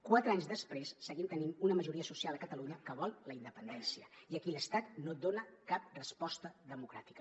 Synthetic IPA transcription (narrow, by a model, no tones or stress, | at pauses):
kwat̪ɾəaɲzðəspɾesːəɣimnt̪ənimunəməʒuɾiəsusialˠəkət̪əluɲəkəβɔlˠləind̪əpənd̪ɛnsiəiəkiləst̪at̪nod̪onəkap̚rəspɔst̪əðəmukɾa̰t̪i̥kə